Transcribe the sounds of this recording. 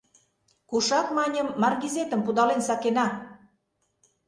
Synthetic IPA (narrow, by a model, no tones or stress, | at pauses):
kuʃɑkmɑnʲəmːɑrɣizet̪ə̆mpud̪ɑlensɑkenɑ